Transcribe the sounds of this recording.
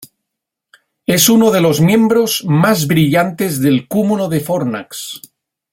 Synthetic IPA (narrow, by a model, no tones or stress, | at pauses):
e̞sunoð̞e̞lo̞zmjẽ̞mbɾo̞z̥mazβɾiʎant̪e̞zðe̞lkumuloðefoɾna̰ks